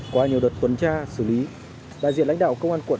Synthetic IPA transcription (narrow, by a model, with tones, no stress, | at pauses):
kwaː˧ɲi˨˩əwɗə˨˩t̚t̪wə˨˩nt͡ɕaː˧sɨ˧˩li˨˦ | ɗa̰ː˧˨zi˧˨nla˧˥˦ŋ̟ɗa̰ː˧˨˩wkə˧wŋ͡mʔaː˧nkw